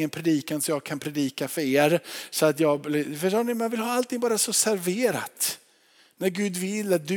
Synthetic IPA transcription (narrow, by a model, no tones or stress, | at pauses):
ənpʰɾɛd̪iːkansɔmjɑːɡ̚kʰanpʰɾɛd̪iːkafœɾeːɾsɔat̪jɑːɡlɛfœʂoːnɪmmɛanvɪlɦɑːalt̪ʰɪŋbɑːɾasɔsæɾveːɾa̰t̪ | næɾɡʉ̟ːd̪vɪlːat̪̚d̪ɵ